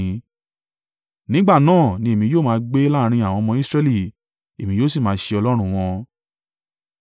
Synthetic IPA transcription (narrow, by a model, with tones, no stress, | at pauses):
nĩ˨˦ɡ͡ba˦˨nãː˦˨nĩ˧˦e˨mĩ˧˦joː˦˨mãː˧˦ɡ͡be˦la˦˧ɾ̃ĩ˧a˨w̃ɔ̃˧mɔ̃˧˦i˦˨sɾɛ˧li˦˨ | e˨mĩ˨˦joː˦s̬i˦˨mãː˨˦ʃe˧ɔ˧lɔ˦ɾ̃ũ˦˧w̃ɔ̃˧